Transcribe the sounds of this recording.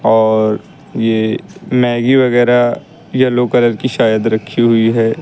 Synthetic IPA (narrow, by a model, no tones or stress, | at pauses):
ɔːɾ | jemɛ̃ːɡiʋɐɣɛːɾa | jaloːkɐləɾkiʃaːjəd̪ɾɐkʰːiɦʊiɦɛː